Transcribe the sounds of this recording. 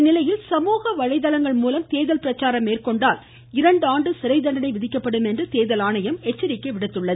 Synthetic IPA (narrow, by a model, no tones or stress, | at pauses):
nɪlɐjɪlsɐmuːɣɐʋɐɻɐɪðɐlɐŋɡɐɭmuːlɐmt̪eːðɐlpɪɾɐt͡ʃːaːɾɐmːeːrkɔɳɖaːl | ɪɾɐɳɖaːɳɖɯsɪɾɐɪd̪ɐɳɖɐnɐɪʋɪðɪkːɐpːɐɽɯmɛndrɯt̪eːðɐlaːnɐjɐmɛt͡ʃːɐɾɪkːɐɪʋɪɽɯt̪ːɯɭːɐð